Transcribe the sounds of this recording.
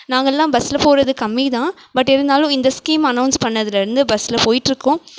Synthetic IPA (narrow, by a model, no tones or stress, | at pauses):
nãːŋɡɐlːãːbɐsɪlɐpoːɾɐðɯkɐmːit̪ãː | bɐʈːɛɾɯnd̪aːlʊ̃ɪnd̪ɐskiːmɐnɐʊnspɐnːɐðɪlɪɾɯnd̪ɯbɐsɪlɐpoːjɪʈːɪɾɯkːʊ̃